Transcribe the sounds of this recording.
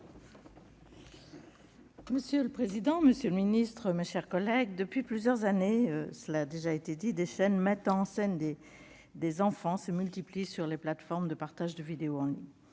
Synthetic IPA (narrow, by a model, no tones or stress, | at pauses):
məsjøləpχezid̪ɑ̃məsjələminist̪χəmeʃɛʁkɔlɛɡd̪əpɥiplyzjœʁzaneøsəlaːd̪eʒaet̪ed̪id̪eʃɛnmɛt̪ɑ̃ːsɛnd̪e | d̪ezɑ̃fɑ̃səmylt̪iplisyʁleplat̪fɔʁmd̪əpaʁt̪aʒd̪əvid̪eoɑ̃liɲ